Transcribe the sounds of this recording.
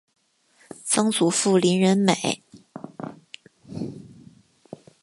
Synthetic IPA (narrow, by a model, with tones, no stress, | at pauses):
t͡sɑ˥ŋt͡su˨˩˦fu˥˩li˧˥nɻə˧˥nme˨˩˦ɪ